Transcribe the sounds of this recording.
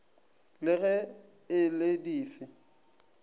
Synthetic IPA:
lɪɣɛ | ɪlɪdiːfɪ

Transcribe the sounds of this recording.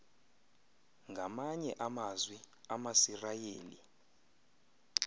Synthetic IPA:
ŋɡʱamaɲɛʔamazwi | amasirajeːlḭ

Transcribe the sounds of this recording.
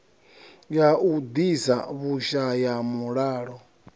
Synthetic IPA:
jaud̪isa̰βuʃajamuɺaːɺɔ

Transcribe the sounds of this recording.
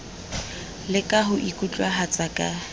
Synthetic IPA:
lɪkʼaɦʊʔikʼut͡ɬʼwaɦat͡sʼakʼa

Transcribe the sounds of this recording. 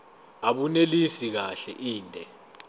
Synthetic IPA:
aɓunelisik̬aɬɛ̰ʔiːntʼɛ

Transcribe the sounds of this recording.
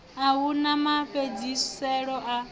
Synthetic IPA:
awunamaɸed͡zissɛɺɔʔa

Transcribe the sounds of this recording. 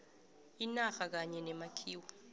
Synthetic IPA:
inaxak̬aɲɛnɛmakʰiːwa

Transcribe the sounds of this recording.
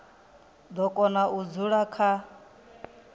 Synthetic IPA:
d̪ɔkʼɔnaʔud͡zuɺakʰa

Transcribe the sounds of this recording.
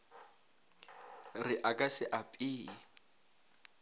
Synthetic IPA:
rɪʔakʼasɪʔapʼiː

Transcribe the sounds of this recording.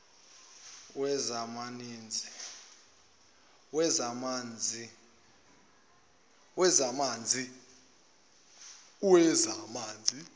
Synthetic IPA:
wɛzamaniːnd͡zʱi | wɛzamand͡zʱi | wɛzamaːnd͡zʱi | uwɛzamaːnd͡zʱi

